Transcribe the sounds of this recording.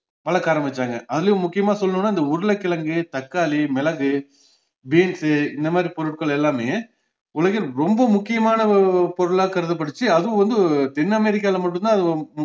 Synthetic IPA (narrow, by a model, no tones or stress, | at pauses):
pɐlɐkaːɾɐmʋɐt͡ʃːaːŋɡɐʔɐðɪlɐjʊ̃mʊkːɪjɐmaːsɔlːɐnɯ̃nːaːɪnd̪ɐʊɾɯlɐkːɪlɐŋɡɯt̪ɐkːaːlimɛlɐɣɯ | beːnsɯɪnd̪ɐmaːd̪ɾipɔɾɯʈkɐɭɛlːaːmeː | ʊlɐɣɪlɾɔmbɐmʊkːɪjɐmaːnɐpɔɾɯɭaːkɐɾɯðɐp̬ːɐɽɯt͡ʃːɯɐðɯʊ̃ʋɐnd̪ɯt̪ɛnːɐmɛɾɪk̬ːaːlɐmɐʈːɯnt̪ãːɐðɯ